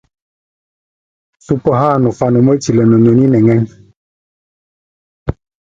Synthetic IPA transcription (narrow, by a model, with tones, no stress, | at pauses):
su˦˨pə˦ɦaː˦˨nɔ˨fa˦nu˨mə˦t͡ʃi˨lə˨nɔ˨ɲo˨ni˦nɛ˨ŋɛ˦n